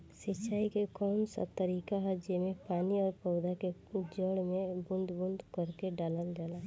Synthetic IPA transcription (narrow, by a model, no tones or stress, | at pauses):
sɪt͡ʃʰaːikekɔːnsə̰b̚t̪əɾiːkaɦad͡ʒemẽpaːniɔːɾpɔʊd̪aked͡ʒəɽmẽbʊ̃nd̪bʊ̃nd̪kəɾkeɖaːləld͡ʒaːlaː